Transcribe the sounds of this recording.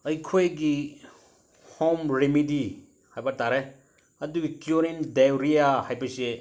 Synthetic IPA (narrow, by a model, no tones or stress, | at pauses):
ɐjkʰojɡi | homɾemidi | hajbɐtaɾe | ɐduɡikjuɾindaɾijahajbɐse